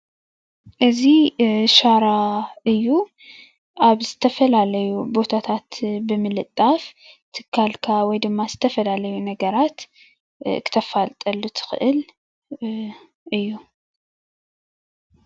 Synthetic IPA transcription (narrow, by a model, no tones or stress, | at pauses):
ʔɨziʃaɾaɨjːu | ʔaβzɨt̪ʰɐfɐlalɐjubo̞t̪ʰat̪ʰat̪bɨmɨlɨt̪ʼːaf | t̪ʰɨkʰːalkʰawɔjd̪ɨmːazɨt̪ʰɐfɐlalɐjunɐɡɐɾat̪ | kʰɨ̥t̪ʰɐfalt̪ʼɐlːut̪ʰɨ̥xɨ̰ʔɨl | ʔɨjːu